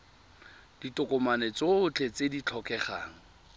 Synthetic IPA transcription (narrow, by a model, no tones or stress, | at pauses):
d̥itʊkʼɔmanet͡soʊt͡ɬʰet͡sedit͡ɬʰɔkʼɛχa̰ːŋ̩